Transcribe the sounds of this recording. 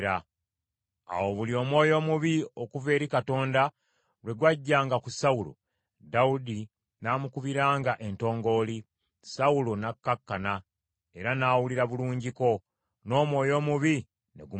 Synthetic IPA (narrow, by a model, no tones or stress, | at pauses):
ɾa | a̰wo̞βulio̞ːmwo̞ːjo̞ːmuβiokuve̞ːɾikato̞ːnda | lwe̞ɡwaɟːaːŋɡakusawulo̰ | daudi | naːmukuβiɾaːŋɡaʔe̞nto̞ːŋɡo̞ːli | saulonakːakːana | e̞ɾanaːwuliɾaβuluːɲɟiko̞ | no̞ːmwo̞ːjo̞ːmuβi | ne̞̰ɡu